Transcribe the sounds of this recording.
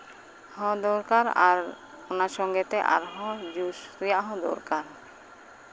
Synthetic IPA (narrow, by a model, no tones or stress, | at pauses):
hɔ̃d̪ɔɾkaɾa̰ɾ | onaʃɔŋɡet̪eʔa̰ɾɦɔ̃d͡ʒuʃkɾijaɦɔ̃d̪ɔ̰ɾkaɾ